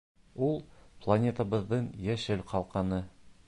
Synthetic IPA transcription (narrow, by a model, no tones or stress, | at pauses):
ulˠplˠɐnʲet̪əbɤ̆ðːɤɴjæʃɘlqʰɑlˠqɑnɤ